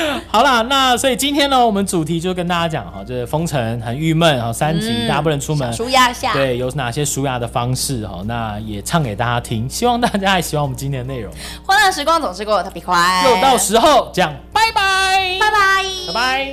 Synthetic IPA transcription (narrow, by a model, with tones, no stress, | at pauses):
xɑ˨ʊlə˧na˥˨swɔ˧˥i˨˩t͡ɕi˥nt̪ʰjɛ˥nə˨wɔ˨mə˦nʈ͡ʂu˨˩t̪ʰi˧˥t͡ɕjo˥˧ʊkə˥nt̪a˥˧t͡ɕja˥t͡ɕjɑ̰˨˩ŋhɔ˧˩t͡ɕjo˥˧ʊʂə˥˩fɤ˥ŋʈ͡ʂʰə˧˦ŋxə˨˦ny˥˧mə˥˩nxɔ˨˩sa˦˥nt͡ɕi˧˥t̪a˥˧pu˥˩ɻə˧˥nʈ͡ʂʰu˥mə˨˦ʂu˧˥ja˥˧a˥˩t̪we˥˩ɪjo˨˩ʊna˨˩ɕjɛ˦˥ʂu˥ja˥˩d̪ə˨fɑ˦ŋʂɻ̩˥˨xɔ̰˨˩na˥˩jɛ˨˩ʈ͡ʂʰɑ˥˩ŋke˨˩ɪt̪a˥˧˩t͡ɕja˥t̪ʰi˥ŋɕi˥wɑ˥˧ŋt̪a˥˧t͡ɕja˥xa˧ɪɕi˧˥wɑ˨ŋwɔ˨˩mə˦nt͡ɕi˦nt̪ʰjɛ˥ndə˧ne˥˩ɪɻʊ˨˦ŋ | xwe˥na˥˩ʂɻ̩˧˥kwɑ˥ŋt͡sʊ˨ŋʂɻ̩˥ko˥˨˩t̪ʰa˥˩pi˨˩kʰwa˥˧˩jo˥˧ʊt̪ɑ˥˨˩ʊʂɻ̩˧˥xo˥˨ʊt͡ɕjɑ˥˩ŋpa˥˩ɪpa˧ɪa˥˧ɪpa˧ɪa˥˩ba˧˥ɪ